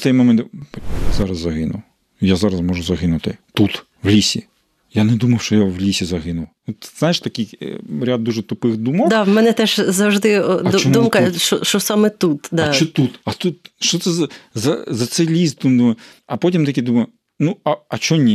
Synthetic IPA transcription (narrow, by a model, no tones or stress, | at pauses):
t̪ɛjmɔmɛnzɑɾɐzːɐɦɪnʊ̰w | jazɑɾɐsmɔʒʊzɐɦɪnʊt̪ɪt̪ut̪ | wlʲisʲḭ | janɛd̪umɐwʃt͡ʃɔjawlʲisʲizɐɦɪnʊw | ɔt̪znajɪʃt̪ɐkʲɪjɾʲad̪̚ːuʒɛt̪ʊpɪxd̪umɔwd̪amɛnɛt̪ɛʒzɐwʒd̪ɪɐt͡ʃɔmumkɐʃɔ̰ʃt͡ʃɔsɑmɛt̪ut̪d̪ɐat͡ʃɔt̪ut̪ɐt̪ut̪ʃt͡ʃɔt̪sɛzɐzɐzɐt̪sɛjlʲisd̪umd̪umɐj | ɐpɔtʲimt̪ɐkʲid̪umɐjʊ | nuɐɐt͡ʃɔnʲːi